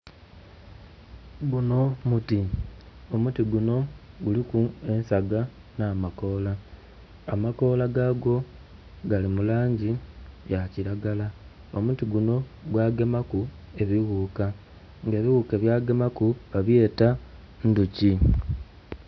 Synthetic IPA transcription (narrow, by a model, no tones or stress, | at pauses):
ɡuno̞mutio̞mutiɡuno̞ɡulikue̞nsaɡa | naːmako̞laː | mako̞laɡaːɡo̞ | ɡalimulaːɲɟijaciɾaɡala | o̞̰mutiɡuno̞ | ɡwaːɡe̞maku | e̞βiɣuːka | ŋɡe̞ːβiɣuke̞βjaːɡe̞makuβaβje̞ːta | nduci